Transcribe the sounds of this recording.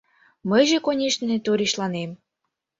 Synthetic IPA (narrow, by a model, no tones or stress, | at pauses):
məjʒĕkonʲeʃnĕt̪oɾʲiɕlɑnem